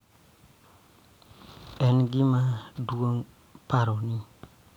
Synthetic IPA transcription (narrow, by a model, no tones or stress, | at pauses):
ɛnɡimaduoŋ | paɾɔni